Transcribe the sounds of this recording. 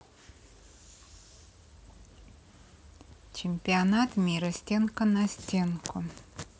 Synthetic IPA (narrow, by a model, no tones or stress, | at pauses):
t͡ɕɪmʲpʲɪanat̪mʲiɾəsʲtʲenkənɐsʲtʲenkʊ